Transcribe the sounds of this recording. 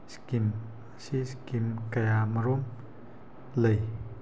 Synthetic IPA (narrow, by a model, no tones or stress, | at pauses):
skim | siskimkɐjamɐɾom | ləj